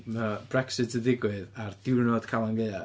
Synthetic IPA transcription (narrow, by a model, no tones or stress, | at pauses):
mab̥rɛksɨtʰədɪɡwɨðardɪwnɔd̥kʰalˠaŋɡeɨa